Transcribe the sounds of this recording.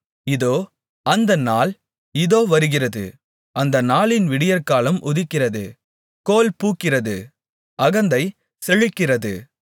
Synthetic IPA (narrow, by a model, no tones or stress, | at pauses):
ɪðoː | ɐnd̪ɐnaːl | ɪðoːʋɐɾɯɣɪrɐðɯ̰ | ɐnd̪ɐnaːlɪnʋɪɽɪjɐɾkaːlɐmʔʊðɪkːɪrɐðɯ | koːlpuːkːɪrɐðɯ | ɐɣɐnd̪ɐɪ | sɛɻɪkːɪrɐðɯ̰